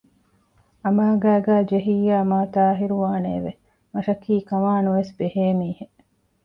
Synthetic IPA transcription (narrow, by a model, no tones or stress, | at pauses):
ɐmaːɡæːɡæːd͡ʒeɦiːjaːmaːt̪aːɦiɾuʋaːnḛːʋḛ | mɐʃɐkiːkɐmaːnuʋesbeheːmiːhe